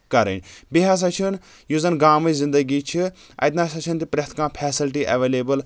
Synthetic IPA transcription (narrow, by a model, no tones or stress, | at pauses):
kɐɾə̰nʲbiɦaːs̬ɐt͡ʃʰin | juzɐnɡaːmɨzĩnd̪əɡiːt͡ʃʰi | ɐ̰jt̪naːsɐt͡ʃʰɨnt̪ipɾʲɐt̪ʰkãːpʰɛːsilʈiʔɐʋeːleːbəl